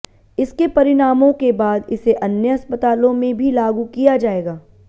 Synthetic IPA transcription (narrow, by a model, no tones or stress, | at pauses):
ɪskepɐɾɪɽaːmõkebaːd̪ɪseʔɐnjəɐspət̪aːlõmẽbʱilaːɡukijad͡ʒaːeːɡaː